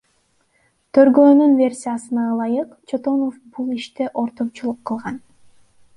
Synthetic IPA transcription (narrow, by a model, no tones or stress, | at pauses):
t̪ʰø̞ɾɡøːnynvʲe̞rʲsʲijasɯnɑɑlˠɑjɯqt͡ʃʰo̞t̪o̞nofbulˠiʃt̪e̞ʔo̞ɾt̪o̞mt͡ʃulˠuqːɯlˠʁɑn